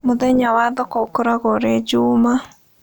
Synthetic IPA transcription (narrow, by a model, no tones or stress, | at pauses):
mʊðɛɲawaðɔkɔkoɾaɣɔɾɛd͡ʒuma